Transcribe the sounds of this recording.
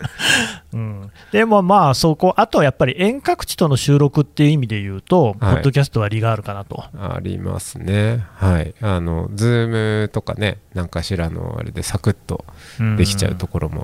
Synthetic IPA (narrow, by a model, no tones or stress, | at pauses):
ɯ̟̃ɴ | d̪̥e̞mo̞maːso̞ko̞ʔat̪o̞japːaɾʲiʔẽ̞ŋkakɯ̟̥t͡ɕi̥t̪o̞no̞ɕɨːɾo̞kɯ̟t̪ːe̞jɯ̟imʲid̪e̞jɯ̟ːt̪o̞hpo̞ːo̞k̬ʲasɨ̥t̪o̞βaɾʲiɡaːɾɯ̟kanat̪o̞a̰ɾʲḭma̰sɨne̞haiano̞̰d͡zɨːmɯ̟t̪o̞kane̞nãŋkaɕiɾano̞̰a̰ɾe̞̰d̪e̞sakɯ̟t̪ːõ̞̰d̪e̞kʲi̥t͡ɕa̰ɯ̟t̪o̞ko̞ɾo̞mo̞̰